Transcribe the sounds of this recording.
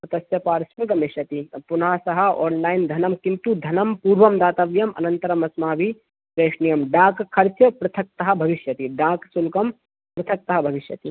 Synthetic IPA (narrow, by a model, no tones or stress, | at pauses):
sɐt̪ɐsjɐpaːɾsulɡɐmeʃjɐt̪ipʊnasɐɦɐɔːnlaːɪnd̪ʱɐnɐmkint̪ud̪ʱɐnɐmpuːɾʋɐmd̪aːt̪ɐʋjɐmɐ̰nɐ̃nt̪ɐɾɐmɐsmaːbʱi | ɾeːʂnijɐmɖaːkkʰːɐɾt͡ʃjɐpɾɐt̪ʰɐk̚t̪ɐɦɐbʱɐʋiʃjɐt̪iɖaːksulkɐm | pɾɐt̪ʰɐk̚t̪ɐɦɐbʱɐʋɪʃjɐt̪i